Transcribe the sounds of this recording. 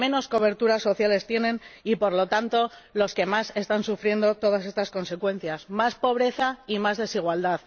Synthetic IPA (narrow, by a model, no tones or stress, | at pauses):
ẽ̞no̞sko̞β̞e̞ɾt̪uɾaso̞θjale̞st̪je̞nẽ̞nipo̞ɾlo̞t̪ant̪o̞lo̞ske̞mase̞st̪ansufɾje̞nd̪o̞t̪o̞ð̞ase̞st̪asko̞nse̞kwẽ̞n̟θjasmaspo̞β̞ɾe̞θaimazðe̞siɣ̞wald̪að